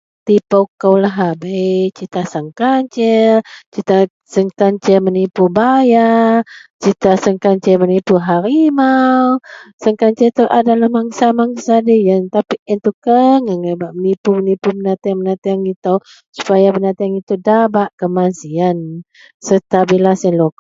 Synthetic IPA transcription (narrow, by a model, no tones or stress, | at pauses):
t̪ipawkawlaɦabejt͡ʃit̪asəŋkaɲt͡ʃɛt͡ʃit̪a | səŋkaɲt͡ʃɛmənipubaja | t͡ʃit̪asəŋkaɲt͡ʃɛmənipuɦaɾimawsəŋkaɲt͡ʃɛt̪uʔadalahmaŋsamaŋsadəjant̪apiɛnt̪ukəŋəŋabaʔmənipumənipubənat̪aaŋmənat̪aaŋit̪aw | su̥pajabənat̪aaŋit̪udabaʔkəmansian | sət̪abilasɛlok